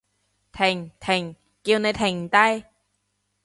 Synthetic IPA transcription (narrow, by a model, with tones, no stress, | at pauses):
t̪ʰe˨˩ŋt̪ʰɪ˨˩ŋ | ki˧wne˨˧jt̪ʰɪ˨˩ŋt̪a˧j